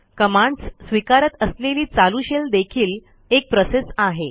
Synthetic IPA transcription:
kəmaɳɖsːʋikaɾət̪əsleliːt͡saluɕeld̪ekʰiːl | ek̚pɾosesaɦe

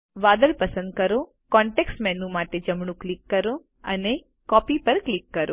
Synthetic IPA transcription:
ʋad̪əlpəsə̃nd̪̚kəɾo | kɔɳʈeksʈmɛnũmaʈed͡ʒəmɳ̃ũklikːəɾo | əne | kɔpipəɾklikːəɾo

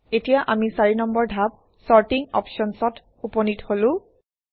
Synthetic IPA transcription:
etijaʔamisaɹinɔmbɔɹdʱap̚ | sɔɹtiŋɔ̰pʃɔnsɔt | upɔnitholʊ̃

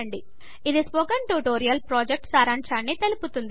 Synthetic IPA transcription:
ɐɳɖi | id̪isboɡɐɳʈuːʈoːɾijɐlpɾoːd͡ʒek̚ʈsaːɾɐɳʂaːnːit̪eluput̪und̪i

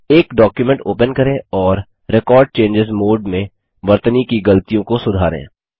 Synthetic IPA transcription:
eːkɖɔːkjumɛ̃ɳʈoːpənkɐɾẽɔːɾː | ekɔːɾɖ̚t͡ʃẽːnd͡ʒɪzmoːɖmẽ | ʋɐɾt̪ənikiɡɐlət̪ijõkosʊd̪ʱaːɾḛ̃ː

